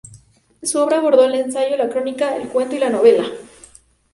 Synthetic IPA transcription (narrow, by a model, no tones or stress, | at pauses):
suo̞βɾaːβo̞ɾðo̞ele̞nsaʝo̞lakɾo̞nikaḛlkwe̞nt̪oilano̞β̞e̞la